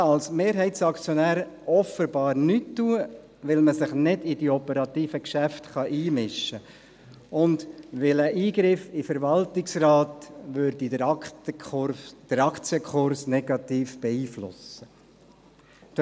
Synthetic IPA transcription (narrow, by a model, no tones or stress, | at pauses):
ɑlsmeːɾɦɛɪtsɑkt͡sjɔnæːɾ | ɔfəbɑːɾnytːuə | ʋɪlməsɪχnɪdid̥iɔpəɾɑt̪iːfəkʃæftχɑʔiːmɪʃːə | ʊndʋɪləʔiːɡɾɪfifəɾʋɑltɪksrɑːtʋøɾdi | d̥əɾɑkʰt͡siəkʰχʊɾsnɛɡ̥ɑt̪iːfb̥ɛiːflʊ̰sə | t